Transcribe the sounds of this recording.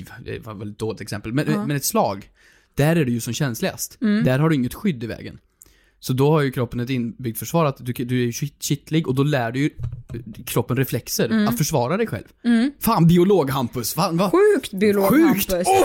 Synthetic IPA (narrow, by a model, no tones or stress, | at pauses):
vd̪ɛ̰vavɛlɪt̪̚d̪oːlɪt̪ɛksɛmpəlmɛnɛmɛnɛt̪slɑːɡ | d̪̥æɾæɖɛjɵsɔmɕɛnslɪɡa̰st̪d̪æɾɦaɖɵɪŋːət̪ɧʏd̪ːɪvɛ̰ːɡə̰n | sɔd̪ɔhaɾjɵkʰɾɔpːənɛt̪ɪnːbʏɡ̚t̪fœʂvɑːɾat̪d̪ɵd̪ɵæɾjɵɕɪt̪lɪɡɔd̪ɔlæːɖɵjɵ | kʰɾɔpːənɾɛflɛksəɾat̪fœʂvɑːɾad̪ɛjɧɛ̰lvfaːnbɪʊloːɡɦampɵsfaːnvaɧʉːkt̪blːɧɧʉ̟ːkt̪